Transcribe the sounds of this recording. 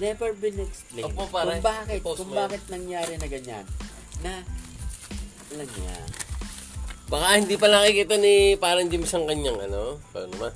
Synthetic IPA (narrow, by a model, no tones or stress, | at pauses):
nɛvɛɹbɪnɛksplenopakʊbaːkɪt̪kʊŋbaːkɪt̪̚nɐŋjaːɾɛnɐɡɐɲa̰nː | ɐ | lɐnja̰ | bɐkahɪnd̪iːpɐnɐɐkikiːt̪ɐnipaːɾɐŋd͡ʒɪmɪsɐŋkɐɲaŋʔɐ̰nokɛ̰nɐman